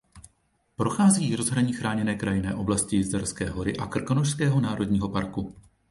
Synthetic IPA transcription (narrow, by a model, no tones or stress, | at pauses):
pɾo̞xaːzijiːɾo̞zɦɾaɲiːxɾaːɲɛnɛːkɾajɪnɛːʔo̞blascɪjɪzdaɾskɛ̰ːɦo̞ɾɪʔakr̩konoʃskɛːɦo̞naːɾo̞dɲiːɦo̞paɾku